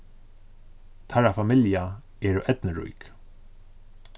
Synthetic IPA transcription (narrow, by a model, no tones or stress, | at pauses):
t̪ʰaɾafamɪlja | ɛːɾʔɛt̪nəɾṵjk